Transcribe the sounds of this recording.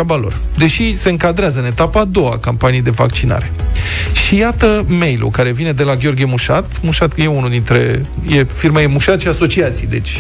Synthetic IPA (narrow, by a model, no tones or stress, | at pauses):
abalo̞̰r | d̪e̞ʃise̞ɨŋkad̪ɾeazəɨne̞t̪apaːd̪o̞wa̰kampanijd̪e̞va̰kt͡ʃina̰ɾe̞ʃijat̪əmejlṵkaɾe̞vine̞d̪e̞laɡʲo̞rɡʲjemuʃa̰t̪muʃat̪je̞unuld̪int̪ɾe̞̰ | jefirmaje̞muʃat̪ʃiaso̞t͡ʃiat̪sijd̪e̞̰t͡ʃʲ